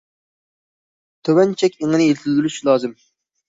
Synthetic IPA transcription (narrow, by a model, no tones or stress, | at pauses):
t̪ʰøwɛnt͡ʃʰɛkʲeŋɨnɪelt̪ʰɪzylyʃlˠɑːzɨm